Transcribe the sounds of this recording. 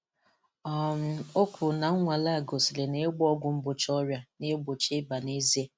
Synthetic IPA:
ɔ˨m̩˨o˦kʷʰʊ˨na˨ŋ̩˦ŋʷa˨la˦˨ɡo˨si˨le˨ne˦ɡ͡bɔ˦ɡʷʊ˨m̩˦bʊ˨t͡ʃɔ˦ɾja˦ne˦ɡ͡bo˨t͡ʃe˦ba˨ne˦ze˦

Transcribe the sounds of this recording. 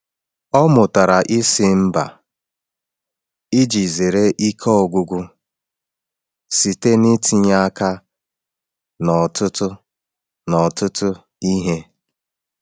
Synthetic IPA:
ɔ˦mʊ˨ta˨ɾa˨ʔi˦sɪ˦m̩˦ba̰˨ | i˦d͡ʒi˨ze˨ɾe˦ʔi˦kʰɔ˦ɔ˨ɡʷʊ˦ɡʷu˦ | si˨te˦ni˦tʰi˦ɲa˦ka˦ | nɔ˨tʊ˦tʊ˦ | nɔ˨tʊ˦tʊ˦ | i˦ɦe˦

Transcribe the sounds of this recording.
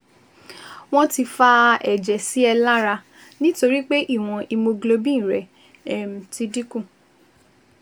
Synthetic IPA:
w̃ɔ̃˦ti˧fa˧ɛ˨d͡ʒɛ˨si˨˦ɛ˧la˦ɾa˧ | nĩ˦to˧ɾi˦k͡pe˦ʔi˦˨w̃ɔ̃˧ʔi˧mo˧ɡlo˧bĩ˦˨ɾɛ˨ | m̩˨ti˧di˦kũ˦˨

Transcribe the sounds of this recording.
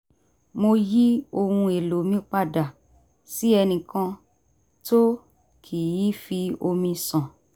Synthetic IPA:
mo˧ji˦o˧hũ˧e˨lo˨˦mĩ˦k͡pa˦˨da˨ | si˦ɛ˧nĩ˨kã˧ | to˦ | kʰi˨ji˨˦fi˧o˧mĩ˧sã˨

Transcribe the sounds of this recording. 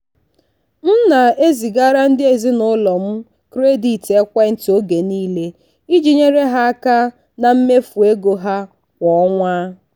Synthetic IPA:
n̩˦na˨e˦zi˨ɡa˦ɾa˦n̩˦dɪ˦e˨zi˦nʊ˦lɔ˨m̩˦ | kɾe˦di˨te˦kʷa˦n̩˦to˦ɡe˨niː˦le˦ | i˦d͡ʒi˨ɲe˦ɾe˦ɦa˦a˦ka˦ | na˨m̩˦me˦fu˨e˦ɡo˨ɦa˦ | kʷɔ˨˦ŋʷaː˦

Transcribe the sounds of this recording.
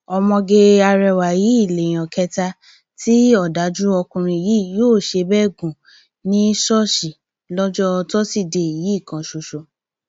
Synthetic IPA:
ɔ˧mɔ̃˧ɡe˧a˧ɾɛ˧wa˨ji˨˦i˦˨le˨j̃ɔ̃˨kɛ˧ta˧ | tʰi˦ɔ˦˨da˨˦d͡ʒu˦ɔ˧kũ˧ɾ̃ĩ˧˨ji˦joː˦˨ʃe˧bɛ˦˨ɡũ˨ | nĩ˦ʃɔ˦˨ʃi˨ | lɔ˦d͡ʒɔ˦˧tɔ˦si˦˨de˧i˨ji˨˦i˦˨kã˧ʃo˧ʃo˨

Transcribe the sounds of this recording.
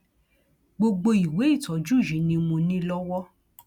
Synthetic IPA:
ɡ͡bo˧ɡ͡bo˧i˨we˨˦i˦˨tɔ˨˦d͡ʒu˦˨jĩ˨˦nĩ˧mũ˧nĩ˦lɔ˦wɔ˦

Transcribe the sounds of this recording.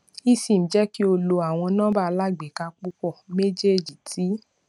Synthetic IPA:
i˦sĩ˨m̩̃˨d͡ʒɛ˦ki˦o˧lo˧a˨w̃ɔ̃˧nãː˦ba˦˧la˦˨ɡ͡be˨ka˧k͡pu˦kɔ˦˨me˦d͡ʒe˦d͡ʒi˨tʰi˨˦

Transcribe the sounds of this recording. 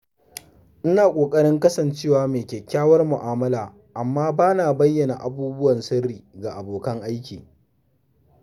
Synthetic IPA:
ʔɪ˦naː˨kʷʼoː˨kʼɐ˦ɽɪ˦ŋkɐ˦sɐ˨nt͡ʃeː˦waː˨meː˨kʲɛ˨kʲːaː˦wɐ˦rmʊ˨ʔaː˨mɐ˦laː˨ | ʔa˨mːaː˦baː˦naː˨bɐ˦jːɐ˨na̰˨ʔa˨buː˦bʊ˦wɐ˨nsɐ˦rːiː˨ɡa˨ʔa˨boː˨kɐ˦ŋʔa˦jkʲḭː˨

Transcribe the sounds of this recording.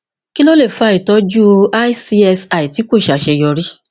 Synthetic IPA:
ki˦lo˦le˦˨fu˦a˦˧i˨tɔ˨˦d͡ʒu˦a˦i˦si˧ɛ˧sa˨i˨ti˨˦kʷo˦˨ʃa˨ʃe˧jɔ˧ɾi˦

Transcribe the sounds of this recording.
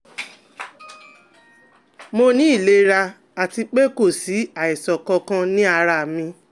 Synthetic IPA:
mo˧nĩ˦i˦˨le˧˦ɾa˧ | a˨ti˧k͡pe˦ko˦˨si˨˦a˦˨i˨sɔ˨kɔ˧kã˦nĩ˦a˧ɾa˧˨mĩ˧

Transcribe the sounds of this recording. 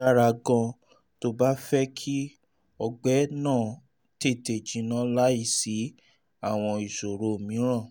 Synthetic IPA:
a˦˨ɾa˧ɡã˧ | to˦ba˦fɛ˦kʰi˦ | ɔ˧ɡ͡bɛ˨˦nãː˦˨ | te˦˨te˨d͡ʒĩ˨˦nã˦la˦i˦˧˨si˨˦ | a˦˨w̃ɔ̃˧i˨ʃo˨ɾo˨mĩ˨˦ɾ̃ã˦˨

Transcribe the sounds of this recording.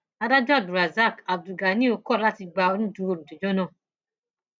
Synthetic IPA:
a˧da˦d͡ʒɔ˦˨du˨ɾa˨za˦˨ka˨b̚du˨ɡa˨˦nĩ˦o˧kɔ˦˨la˦ti˧ɡ͡ba˧o˧nĩ˦tũ˧o˧˨ɾũ˨d͡ʒo˨d͡ʒo˦nã˦˨

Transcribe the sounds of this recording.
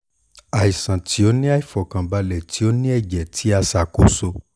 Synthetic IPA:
a˨i˨sã˨ti˨˦o˦nĩ˦a˦˨i˨fɔ˨kã˨ba˧lɛ˨ti˨˦o˦nĩ˦ɛ˦˨d͡ʒɛ˨tʰi˨˦a˧sa˨ko˨˦so˧

